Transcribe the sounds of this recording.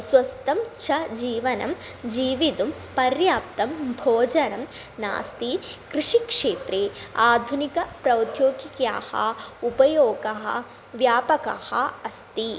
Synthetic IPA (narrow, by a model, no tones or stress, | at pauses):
sʋɐst̪ɐmt͡ʃʰɐd͡ʒiːʋɐnɐ̰m | d͡ʒiːʋid̪umpɐɾjaːpt̪ɐmbʱoːd͡ʒɐnɐm | na̰ːst̪ikɾiʂikʂeːt̪ɾeːaːd̪ʱunikɐpɾɐwd̪ʱjoːɡikjaːhɐ̰upɐjoːɡɐɦɐ̰ | ʋjaːpɐka̰ːhɐ̰ɐst̪i